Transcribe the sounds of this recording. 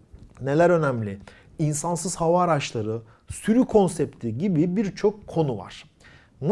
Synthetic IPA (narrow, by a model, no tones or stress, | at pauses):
ne̞lʲæɾø̞næmlʲɪ | insansɯzhavaːɾat͡ʃlˠaɾɯ | syɾykʰo̞nsɛp̚t̪ʰiɟibibiɾt͡ʃʰo̞kʰːo̞nuva̰ɾ̥ | n